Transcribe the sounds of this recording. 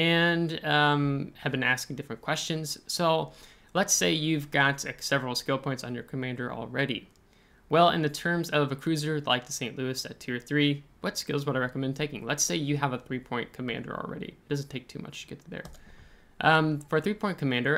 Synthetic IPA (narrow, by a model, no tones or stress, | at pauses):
ɨ̃ñmhɨvbɨ̃næskɪ̃ŋdɪfɹɨ̃nkʰw̥ɛst͡ʃɨ̃nz̥soʊ | lətseɪjʉvɡɑtɨsɛvɹl̩ˠskɪlˠpʰɔ̃ɪ̃ntsn̩jə̰˞kʰɨmæ̃ndə˞ʔl̩ˠɹɛɾḭ | wɛlˠɪ̰̃nðɨtʰɜ̃˞mzɛlˠəvɨkʰɹ̥ʉzə˞la̰ɪk̚tʰɨ̥sẽɪ̃nʔlʉɨsɨ̰ttʰʉə˞θɹiwʌtskɪlˠzwʌɾaɪɹɛkəmɛ̃ndtʰeɪkɪ̃ŋlətseɪjɨəvəθɹipʰɔ̃ɪ̃nkʰɨmæ̰̃ndə̰˞l̩ˠɹɛ̰ɾḭɪt̚d̥ʌzn̩tʰeɪk̚tʰʉ̰mʌ̰t͡ʃɨ̥ɡɛtʰɨðə̰˞ | ʔfə˞ɨθɹipʰɔ̃ɪ̃nkʰɨmæ̃ndə˞